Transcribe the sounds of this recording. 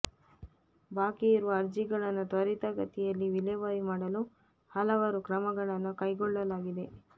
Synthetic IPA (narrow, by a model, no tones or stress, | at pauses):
baːkiːɾuʋɐːɾd͡ʒiɡɐɭɐnːut̪ɐɾit̪ɐɡɐt̪ijɐlːiʋileʋɐɾimaːɽɐlu | hɐlɐʋɐɾukɾɐmɐɡɐɭɐnːukɐjɡɔɭːɐlaːɡid̪e̞